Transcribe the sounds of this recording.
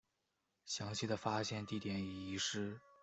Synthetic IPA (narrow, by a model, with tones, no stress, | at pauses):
ɕjɑ˧˥ŋɕi˥˩d̪ə˩fa˥ɕjɛ˥˧nt̪i˥˩t̪jɛ˧˥ny˨˩i˧˥ʂɻ̩˥